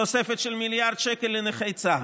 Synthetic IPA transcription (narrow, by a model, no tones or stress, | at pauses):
osefet̪ʃelmiljaʁd̪̥ʃekelːeneχejt͡sa